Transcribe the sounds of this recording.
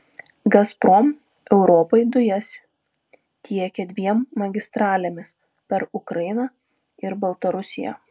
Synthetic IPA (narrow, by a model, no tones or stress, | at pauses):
ɡɐspɾɔm | ɛʊɾɔːpɐɪd̪ʊjɛsʲ | t̪ʲiɛkʲɛd̪ʲʋʲiɛmːɐɡʲɪst̪ɾɑːlʲemʲɪs | pʲɛɾʊkɾɐɪɪnɐ | ɪɾbɐlˠt̪ɐɾʊsʲɪjæ̰ː